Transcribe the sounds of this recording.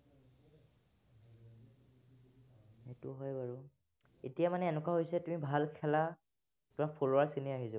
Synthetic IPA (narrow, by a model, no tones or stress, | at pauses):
etuɦɔjbaɹu | ḛtijamanɛːnɛkaɦojsɛtumibʱalkʰɛla | tʊmak̚pʰolowaɹsiniaɦizɔ